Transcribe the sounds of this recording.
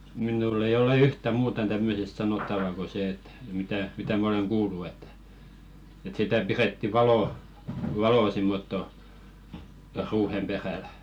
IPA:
minuˑlː ei ole yhtæ muːtɑn tæmːøsest sɑnotːɑʋɑ ko se et mitæ mitæ mæ oleŋ kuːlːu etːæ̥ et sitæ piretːi ʋɑloˑ ʋɑloˑ simːotːo ruːhem peræˑl

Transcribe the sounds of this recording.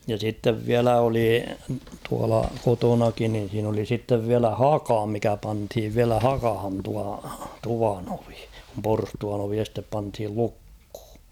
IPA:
jɑ sitːeʋ ʋiælæ oli tuɑlɑ kotonɑkin nin̞ siːn oli sitːeʋ ʋiælæ hɑkɑ mikæ pɑnthiʋ ʋiælæ hɑkɑhɑn tuɑ tuʋɑn oʋi kum porstuɑn oʋi estep pɑnthil lukh̝u̥

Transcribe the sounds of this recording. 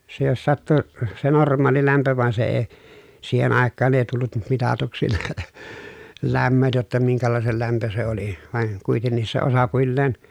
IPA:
se jos sɑtːu se normˑɑːli læmpø ʋɑn se eː siːhen ɑˑekːɑːn eˑi tulːut m mitɑtuksi læmːøt jotːɑ miŋkælɑˑesel læmpø se oli ʋɑˑi̯n kuitenːis se osɑpuilːeːn

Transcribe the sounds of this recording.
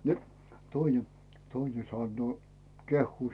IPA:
ni toine toine sɑnːoː kehːuː

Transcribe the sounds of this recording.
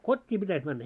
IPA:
kotʲːiː pitæs mænːæ

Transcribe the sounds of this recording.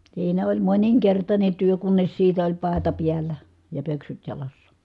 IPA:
siːnæ olʲ moniŋkertɑnʲe tyø kunːes siːtæ olʲ pɑˑetɑ piælːæ jɑ pøksyt jɑlɑsːɑ̥

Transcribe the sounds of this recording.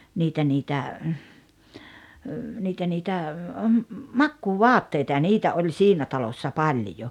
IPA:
niːtæ niːtæ niːtæ niːtæ mɑkːuːʋɔɑtːeitɑ jɑ niːtæ olʲ siːnæ tɑlosːɑ pɑlʲjo

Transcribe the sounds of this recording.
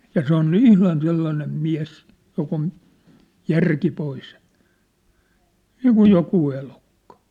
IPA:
jɑ se on ihlɑn selːɑnem miæ̝s jok on jærki pois niːkuj jokuː elukːɑ̥

